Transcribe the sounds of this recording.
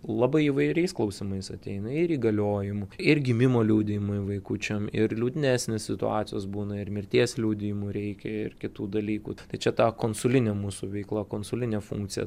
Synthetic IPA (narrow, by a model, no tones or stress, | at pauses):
lˠɑːbɐɪiːʋɐɪɾʲɛɪsklˠɐʊsʲɪmɐɪsɐt̪ʲɛɪnɐɪɾiːɡɐlʲoːjɪmʊɪrɡʲɪmʲɪmoːlʲuʊd̪ʲɪjmʊɪʋɐɪkut͡ʃʲɛmɪɾlʲuːd̪ʲɪnʲæːsʲnʲessʲɪt̪ʊ̰ɑ̰ːt̪sʲɪjoːsbuːnɐɪɾmʲɪrʲt̪ʲiɛslʲuʊd̪ʲɪjɪmʊɾʲɛɪkʲɛɪ̰rkʲɪt̪uːd̪ɐlʲiːkṵːt̪ɐɪt͡ʃʲɛt̪ɑːkoːnsʊlʲɪnʲɛmuːsuʋʲɛɪklˠɐkoːnsʊlʲɪnʲɛfṵŋk̚t̪sʲɪjɛ̰